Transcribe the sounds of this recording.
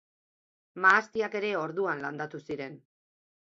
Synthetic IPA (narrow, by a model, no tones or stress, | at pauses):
maːst̪iake̞ɾe̞o̞ɾðuanland̪at̪usiɾe̞n